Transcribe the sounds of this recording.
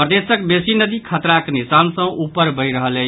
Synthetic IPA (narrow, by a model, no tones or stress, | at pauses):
pɾəd̪esəkbesinəd̪ikʰət̪ɾaknisansə̃upəɾbəjɾəɦələ